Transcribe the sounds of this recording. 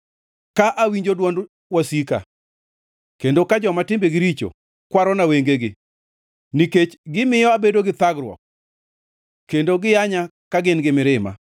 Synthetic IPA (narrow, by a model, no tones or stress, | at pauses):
kaʔawiɲd͡ʒodwɔnd | wasika̰ | kendokad͡ʒɔmatɪmbeɡɪɾit͡ʃo̰ | kwaɾɔnaweŋɡeɡɪ | niket͡ʃɡɪmɪjɔabedoɡɪt̪aɡɾwɔ̰k̚ | kendoɡɪjaɲa | kaɡɪnɡɪmɪɾɪma̰